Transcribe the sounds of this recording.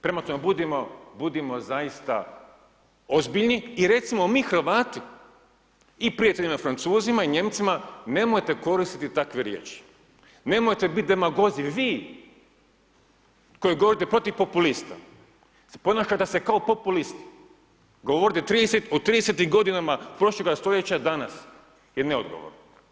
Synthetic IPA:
pɾemat̪omebud̪emobud̪imo̞zajist̪a̰ | ozbiʎniiɾe̞t̪simomixɾr̩ʋaːt̪i | ipɾijat̪eʎʲinafɾant̪suːzimaiɲe̞mt̪simane̞mojt̪e̞ko̞ɾist̪it̪it̪akʋeɾjḛːt͡ʃi̥ | ne̞mojt̪ebit̪̚d̪emaɡo̞ziʋiː | ko̞jiɡo̞ʋoɾit̪epɾo̞t̪iʋpo̞pulist̪a̰ | spo̞naːʃat̪esekaopo̞pulist̪i̥ | ɡo̞ʋoɾit̪et̪ɾiːd̪eset̪ot̪ɾiːd̪eset̪imɡo̞d̪inamapɾo̞ʃlˠoɡast̪o̞ʎe̞t͡ɕad̪anas | jeneod̪ɡo̰ʋo̰ɾno

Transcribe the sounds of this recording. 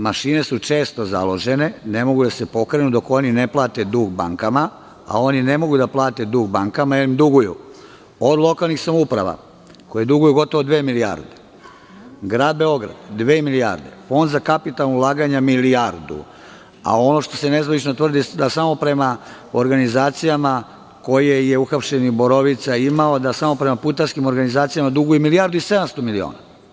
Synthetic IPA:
maʃine̞sut͡ʃe̞ːst̪o̞za̰lo̞ʒe̞ne̞ne̞mo̞ɡud̪asepo̞kɾe̞nud̪o̞ko̞nine̞plˠaːt̪e̞d̪uːɡba̰ŋkama | a̰o̞nine̞mo̞ɡud̪aplˠaːt̪e̞d̪uːɡ̚baŋkamajelimd̪uɡujṵ | od̪lˠo̞kalˠnixsamoupɾaʋa̰ | ko̞jed̪uɡujuɡo̞t̪o̞ʋod̪ʋeːmilija̰ɾd̪e | ɡɾaːd̪̚be̞o̞ɡɾa̰d̪d̪ʋeːmilia̰ɾd̪e̞̰fo̞nd̪zakapit̪alnoulˠaːɡaɲamiliaɾd̪ṵ | a̰o̞no̞ʃt̪o̞se̞nezʋanit͡ʃnot̪ʋr̩d̪id̪asaːmo̞pɾe̞ma | oɾɡanizaːt̪sijama | ko̞jejeuxapʃeniboɾoʋit̪saimaod̪asaːmo̞pɾemaput̪aɾskimoɾɡanizaːt̪sijamad̪uɡujumilijaɾd̪uise̞d̪amst̪o̞milio̰ːna

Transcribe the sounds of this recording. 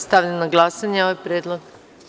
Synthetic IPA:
st̪aʋʎanaɡlˠasaɲeoʋajpɾjeːd̪lˠoɡ

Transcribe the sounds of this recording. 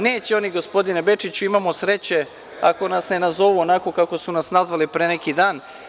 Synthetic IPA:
neːt͡ɕeo̞niɡo̞spo̞d̪inebe̞t͡ʃit͡ɕuimamosɾe̞t͡ɕe̞ | ako̞nasne̞nazo̞ʋuonako̞kako̞sunasnazʋalipɾenekid̪aːn

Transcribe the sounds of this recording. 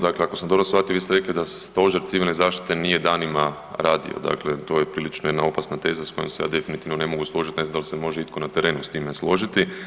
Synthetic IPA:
d̪akleako̞samd̪o̞bɾosʋat̪ijoʋist̪eɾeklid̪ast̪o̞ʒeɾt̪siʋilʲnezaːʃt̪i̥t̪e̞nije̞d̪aːnima | ɾaːd̪ḭo̰d̪a̰klet̪o̞jepɾiːlit͡ʃnojed̪nao̞pasnat̪e̞ːzasko̞jomseja̰ːd̪e̞finit̪iʋnone̞mo̞ɡuslˠo̞ʒit̪ine̞znd̪alisemo̞ʒeit̪̚ko̞nat̪eɾe̞ːnust̪imeslˠo̞ʒit̪i

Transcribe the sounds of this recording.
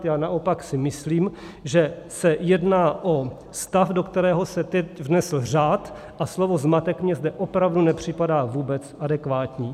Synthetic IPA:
t̪jaːnaʔo̞paksɪmɪsliːm | ʒɛ | sɛjɛdnaːʔo | st̪afdokt̪ɛɾɛːɦo̞sɛt̪ɛcvnɛsl̩r̝aːt̪ | ʔaslovo̞zmat̪ɛkmɲɛzdɛʔopɾavdunɛpr̝̥ɪpadaːvuːbɛt͡sʔadɛkvaːt̪ɲiː

